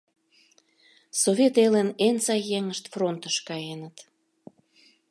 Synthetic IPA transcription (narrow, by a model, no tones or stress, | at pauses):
sovʲet̪elenent͡sɑjeŋəʃt̪front̪əʃkɑjenət̪